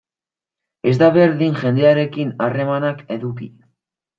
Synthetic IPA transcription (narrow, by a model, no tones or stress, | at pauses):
e̞zd̪aβe̞ɾðiŋʝe̞nd̪e̞aɾe̞kinare̞manake̞ðukḭ